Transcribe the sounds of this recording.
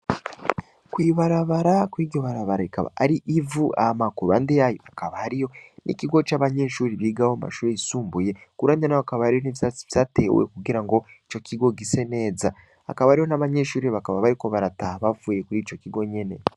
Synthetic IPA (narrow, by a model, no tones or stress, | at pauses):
kwiːβaɾaβaɾakwiːɟoβaɾaβaɾaika̰βa̰aɾiʔivua̰hamakuɾuβaːndejajo̰ʔakaβahaɾijo̞nʔḭciɡo̞t͡ʃaːβaɲe̞ːʃuːɾiβiːɡahoma̰ʃuːɾeisuːmbuje̞kuɾaːndanajoakaβahaɾijo̞niβisaiβzate̞wḛkuɡiɾaŋɡo̞ | it͡ʃo̞cʰiɡo̞ɡise̞ne̞ːza | a̰kaβahaɾijo̞naβaɲe̞ːʃuːɾiβakaβaβaɾiko̞βaɾataβavuːjekuɾiːt͡ʃo̞ciɡo̞ɲene̞